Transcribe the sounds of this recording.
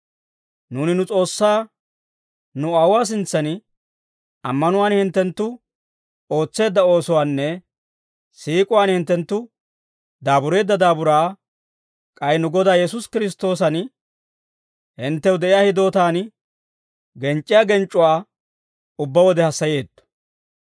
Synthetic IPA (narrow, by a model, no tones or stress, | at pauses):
nuːnɪnʊt͡sʼo̞ːsːaː | nʊɐʊwaːs̬ɪnt͡sːɐn | ɐmːɐnʊwaːnhɪnt̪ːɛnt̪ːʊ | o̞ːt͡sːe̞ːd̪ːɐo̞ːsɔwaːnːɛ | siːkʼʊwaːnhɪnt̪ːɛnt̪ːʊ | d̪aːbʊɾe̞ːd̪ːɐd̪aːbʊɾaː | kʼɐjnʊɡɔd̪aːjɛsʊskɪɾɪs̬t̪ːo̞ːsɐn | hɪnt̪ːɛwd̪ɛʔɪjaːhɪd̪o̞ːt̪aːn | ɡɛnt͡ʃʼːɪjaːɡɛnt͡ʃʼːʊwaː | ʊbːɐwɔd̪ɛhɐsːɐje̞ːd̪ːɔ̥